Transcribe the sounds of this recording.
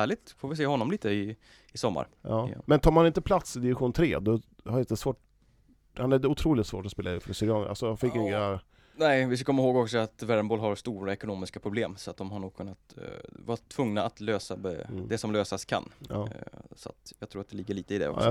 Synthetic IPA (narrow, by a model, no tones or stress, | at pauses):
æːɭɪt̪foːvɪseːɦɔnːɔmliːt̪əɪ | ɪsɔmːa̰ɾɑ̰ːmɛnt̪ʰɑːɾmhanɪnt̪əpʰlat̪sɪd̪ɪvɪɧuːnt̪ʰɾeːd̪ɔ | haɾɪnt̪əsvoːʈ | hanɛʊt̪ʰɾuːlɪt̪svo̰ːʈɔspeːlaɪːfɾɔsɪɾɪɑːnəʔa̰lsɔjɑfɪkːɪŋa | nɛɪvɪskakʰɔmːahoːɡɔksɔat̪væɾmboːlɦaɾst̪uːɾaɛkʊnoːmɪskapʰɾʊbleːmsɔat̪̚d̪ɔmhaɳuːɡ̚kʰɵnːat̪vɑt̪ʰvɵŋnaat̪løːsabɛd̪ɛsɔmløːsaskʰa̰nː | sɔa̰t̪jɑːɡt̪ʰɾuːɾat̪d̪ɛlɪɡːəɭiːt̪əɪd̪ɛ̰ɔ̰